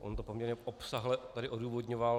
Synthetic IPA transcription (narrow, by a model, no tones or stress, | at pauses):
ʔo̰nt̪opomɲɛɾɲɛʔopsaɦlɛt̪adɪʔoduːvodɲoval